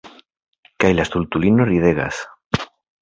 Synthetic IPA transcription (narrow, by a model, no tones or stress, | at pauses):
kajlast̪ult̪ulinoriðeɣa̰s